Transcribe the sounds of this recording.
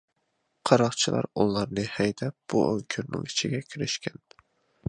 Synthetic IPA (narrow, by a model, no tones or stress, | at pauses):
qʰɑɾɑχt͡ʃʰilˠɑ̰ɾulˠɑɾnɨhɛjd̪ɛp̚b̥ṵʔøŋkʲʰyɾnɪ̰̃ŋit͡ʃʰiɡʲɛkʲʰiɾɪʃkʲʰɛn